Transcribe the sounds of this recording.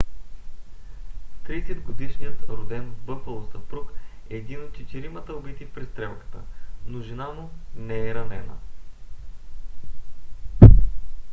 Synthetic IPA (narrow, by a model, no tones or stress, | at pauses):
t̪ɾisɛd̪ɡod̪iʃnijət̪nɐɾod̪ɛnbɤpəlˠost̪ɐpɾuk | ɛːd̪inot̪̚t͡ʃɛt̪iɾimət̪əobit̪ifpɾɛst̪ɾɛmkə̥t̪ənoʒinanonɛɛɾɐnɛnə̰